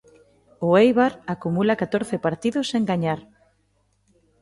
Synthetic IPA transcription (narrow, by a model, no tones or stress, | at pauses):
ʊejβaɾakumulakat̪oɾθɪpaɾt̪iðʊseŋɡaɲaɾ